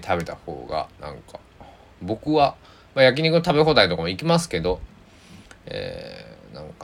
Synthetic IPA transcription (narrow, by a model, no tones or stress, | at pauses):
t̪ʰabe̞t̪aho̞̰ːɡa̰nã̰ŋka | bo̞kɯ̟βa | majak̬ʲiɲ̟ikot̪abe̞ɦoːd̪ait̪o̞kamoikʲimasɨ̥ke̞d̪o̞ | ḛːnã̰ŋka